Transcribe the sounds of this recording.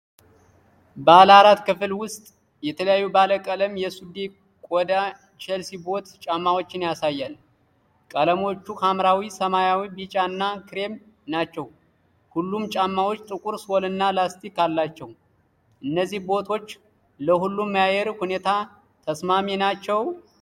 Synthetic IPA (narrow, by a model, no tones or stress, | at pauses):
bəalaɾat̪kɨfɨlwʊst̪ʼ | jɛt̪ʰələjajːubaləkʼələmjɛsud̪e | kʼɔd̪a | t͡ʃʼɛlsibo̞t̪t͡ʃʼamːawo̞t͡ʃːɪnjasajːal | kʼələmo̞t͡ʃːukamɾawisəmajawibit͡ʃʼaɨnːakʰɨɾe̞m | nat͡ʃːɛw | hulːumt͡ʃʼamːawo̞t͡ʃːt̪ʼɨkʼuɾswolɨnːalast̪ʰikalːat͡ʃːɛw | ʔɨnːəzːihbo̞t̪ʰo̞t͡ʃː | ləhulːumːjajɛɾhune̞t̪ʰa | t̪ʰəsmaminat͡ʃːɛw